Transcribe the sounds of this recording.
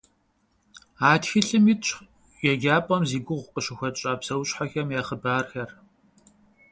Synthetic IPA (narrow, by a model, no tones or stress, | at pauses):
aːtxɨɬɨmiːt͡ʃʰʼ | jɛɡʲaːpʼɐmziːɡʷʊʁʷqəʃɪxʷɐt͡ʃʼaːpsɐwɕʼħaxɐmjaːχəbaːrxɐr